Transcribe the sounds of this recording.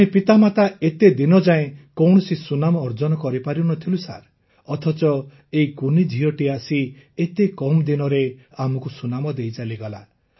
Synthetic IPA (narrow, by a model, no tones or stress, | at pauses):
ĩpit̪amat̪aet̪ed̪inɔd͡ʒaẽkɔwɳɔsisunamɔːɾd͡ʒɔnɔkɔɾipaɾinɔt̪ʰilusa̰ɾ | ɔt̪ʰɔt͡ʃɔ | eikunid͡ʒʱiɔʈiasiet̪ekɔmd̪inɔɾe | amɔkusunamɔd̪ejt͡ʃaliɡɔla̰